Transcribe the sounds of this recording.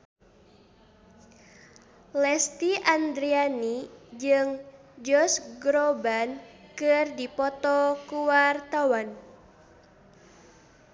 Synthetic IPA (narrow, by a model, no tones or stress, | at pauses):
lɛst̪iʔand̪ɾianid͡ʒɨŋ | d͡ʒɔsɡɾɔbankɨrdipɔt̪ɔkuwart̪awan